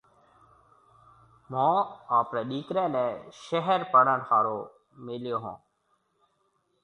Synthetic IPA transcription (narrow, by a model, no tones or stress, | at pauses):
mãːaːpɾɛ̃ːɗiːkɾɛ̃ːnɛ̃ːʃəɦəɾpəɳənhaːɾoː | meljoːɦã̰ː